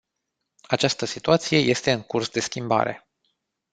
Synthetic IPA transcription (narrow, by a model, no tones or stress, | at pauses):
at͡ʃast̪əsit̪uat̪sije̞je̞st̪e̞ɨŋkursd̪e̞skʲimba̰ɾe̞̰